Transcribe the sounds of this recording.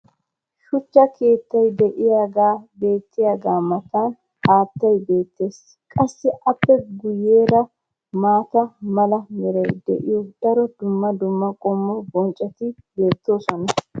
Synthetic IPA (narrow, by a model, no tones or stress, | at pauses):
ʃʊt͡ʃːɐkʰe̞ːt̪ːɐjd̪ɛʔɪjaɡaːbe̞ːt̪ːɪjaːɡaːmɐt̪an | haːt̪ːɐjbe̞ːt̪ːe̞ːs | kʼɐsːɪʔɐpːɛɡʊjːeːɾɐ | maːt̪ɐmɐlɐmɛɾɐjd̪ɛ̰ʔɪ̰jɔd̪̥ɐɾɔd̪ʊmːɐd̪ʊmːɐkʼɔmːɔbɔnt͡ʃʼːɐt̪ɪbe̞ːt̪ːoːsɔnɐ